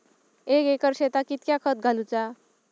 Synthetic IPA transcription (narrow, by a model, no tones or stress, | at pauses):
ekekʌɾset̪akit̪̚kjakʰʌt̪̚ɡʱalut͡sa